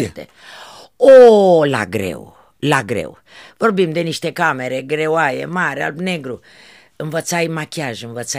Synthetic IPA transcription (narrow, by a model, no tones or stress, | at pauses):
t̪ḛ | ola̰ɡɾḛw | laɡɾḛw | vorbimd̪eniʃt̪ekameɾeɡɾewajḛmaɾa̰lbneɡɾu | ɨnvət̪sajmakʲiaʒɨnvət̪sa